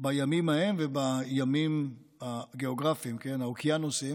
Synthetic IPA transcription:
bajamimahe̞mvebajamim | aɡeoɡʁafimke̞naokianosim

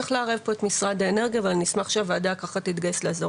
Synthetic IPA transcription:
eχleaʁevpo̞e̞tmisʁadaeneʁɡiavalnismaχʃavaːdajkaχatit̪ɡajesleaza

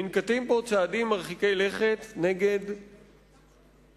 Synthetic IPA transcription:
inkat̪impot͡saːdimːaʁχikejleχet̪neɡe̞d

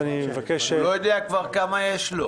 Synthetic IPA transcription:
nimevakeʃelojod̪eakvaʁkamajeʃlo

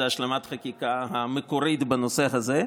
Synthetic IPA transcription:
aʃlemat̪χakikahamekoɾit̪banosehaze

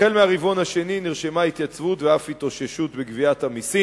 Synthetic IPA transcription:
e̞lmeaʁivo̞nhaʃe̞niniʁʃemait̪jat͡svutveafit̪o̞ʃeʃut̪beɡviathamisi

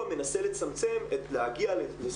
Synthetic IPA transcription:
me̞nase̞le̞t͡samt͡se̞metlehaɡiale

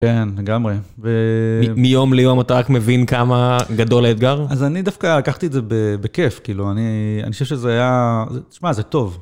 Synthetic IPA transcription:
ke̞nle̞ɡamʁe | veimijo̞mlejomat̪aʁakmevinkamaɡado̞laet̪̚ɡaʁazanidafkalakaχt̪iedzebebeke̞fkiːluania̰nixoʃevʃezeajazet̪i̥ʃmazet̪o̞v

